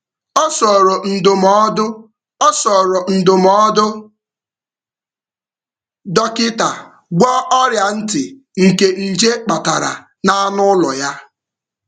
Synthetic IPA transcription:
ɔ˦sɔ˨ɾo˨n̩˨dʊ˨mɔ˦dʊ˦ | ɔ˦sɔ˨ɾɔ˨n̩˨dʊ˨mɔ˦dʊ˦ | dɔ˦kɪ˦ta˨ | ɡ͡bʷɔ˦ɔ˦ɾja˨n̩˦tɪ˨ | ŋ̩˨ke˨n̩˨d͡ʒe˦k͡pa˨ta˨ɾa̰˨ | na˦a˦nʊ˦lɔ̰˨ja˦

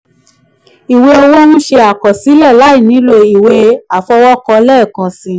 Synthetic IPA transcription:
i˨we˧o˧wo˦nũ˦ʃe˧a˨kɔ˨si˨˦lɛ˦˨la˨˦i˦˨nĩ˨˦lo˧i˨we˧˦a˨fɔ˧wɔ˦kɔ˧lɛ˦˨kã˨sĩ˨˧˦

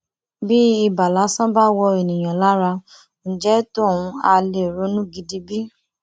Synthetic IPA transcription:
bi˦i˧ba˨la˨˦sã˦ba˦wɔ˧e˨nĩ˨j̃ã˨la˨˦ɾa˧ | n̩˨d͡ʒɛ˦to˦˨wũ˧a˧le˨ɾo˨˦nũ˦ɡi˧˦di˧bi˦

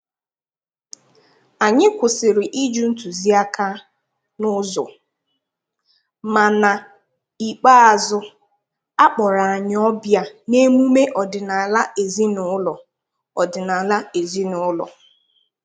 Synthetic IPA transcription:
a˨ɲɪ˦kʷʊ˨sɪ˨ɾɪ˨ʔi˦d͡ʒu˦n̩˦tu˨zi˦a˦ka˦ | nʊ˦zɔ̰˨ | ma˨na˨ | i˨k͡pa˦a˨zʊ˦ | a˦k͡pɔ˨ɾa˨a˨ɲ˦ɔ˦bja˦ne˦mu˦me˦ʔɔ˨dɪ˨na˨la˦e˨zi˦nʊ˨˦ʊ˦lɔ˨ | ɔ˨dɪ˨na˨la˦e˨zi˦nʊ˨ʊ˦lɔ̰˨

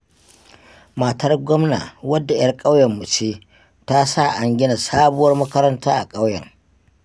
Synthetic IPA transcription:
ma˨tʰɐ˦rɡʷɔ˦mna̰ː˨wɐ˦dːa˨jɐ˦rkʼa˦wjɛ˨mːu˨t͡ʃeː˦ | ta˦sa˦˨ʔa˨ŋɡʲɪ˦na˨saː˦bʊ˦wɐ˦rmɐ˦kɐ˦ɾɐ˦ntaː˦ʔa˨kʼa˦wjɐ̰˨ŋ

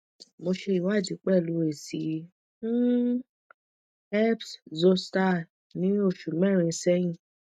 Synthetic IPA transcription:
mo˧ʃe˧i˨wa˦˨d͡ʒi˦k͡pɛ˦˨lu˨˧˦e˨si˨˦ | ɛ˦pszo˧sta˦˨ | nĩ˦o˦˨ʃu˨mɛ̃˦˨ɾ̃ĩ˧˨˦sɛ˦j̃ĩ˦˨

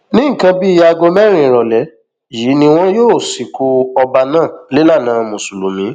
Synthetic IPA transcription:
nĩ˦˨kã˧bi˦i˦ja˧ɡo˧mɛ˦ɾ̃ĩ˨ɾɔ˨lɛ˨˦ | jiː˨˦nĩ˧w̃ɔ̃˦joː˦˨si˨ku˧˦ɔ˧ba˧nãː˦˨le˨˦la˦˨nãː˨˦mũ˨su˨lu˨mĩ˨˦

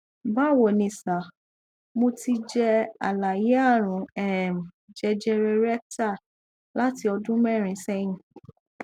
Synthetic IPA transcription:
ba˦˨wo˨nĩ˧sa˨ | mõ˧ti˧d͡ʒɛ˧a̰˨la˨je˨˦a˦˨ɾ̃ũ˨˦ɛ˨m˨ | d͡ʒɛ˧d͡ʒɛ˧ɾe˧ɾɛ˦k̚ta˦˨ | la˨˦ti˧ɔ˧dũ˦mɛ˦˨ɾ̃ĩ˧˦sɛ˦jĩ˧

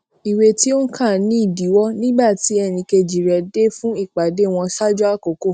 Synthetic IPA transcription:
i˨we˧ti˦o˦n̩˦kʰã˦˨nĩ˦i˦˨di˨˦wɔ˦nĩ˦ba˦˨ti˨˦ɛ˦˨nĩ˧ke˧d͡ʒi˨ɾɛ˧de˦fũ˦i˦˨k͡pa˨de˦w̃ɔ̃˧sa˦d͡ʒu˦a˦˨ko˨˦ko˦˨

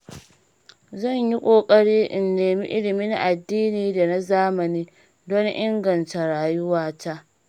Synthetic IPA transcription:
zɐ˦˨ɲji˦kʷʼoː˨kʼɐ˦ɽiː˦ʔɪ˨nːeː˨mḭ˦ʔɪ˦lɪ˨miː˦na˦ʔa˨dːiː˦niː˨da˨na˦zaː˦mɐ˨niː˦ | do˦n˦ʔɪ˦ŋɡɐ˨nta˨ɽaː˨jʊ˦waː˦ta˦ʔ

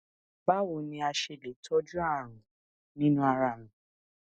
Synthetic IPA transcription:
ba˦wo˧˨nĩ˧a˧ʃe˧˨le˨˦tʰɔ˦d͡ʒũ˦a˦˨ɾ̃ũ˨ | nĩ˦nũ˦a˧ɾa˧˨nĩ˨˦

